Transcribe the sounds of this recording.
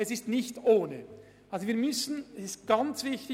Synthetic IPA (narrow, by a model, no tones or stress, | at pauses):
ɛsɪstnɪçtoːnə | ʔalzoviːɐmʏsn̩ɛsɪst̚ɡ̥ant͡sv̥ɪçtɪ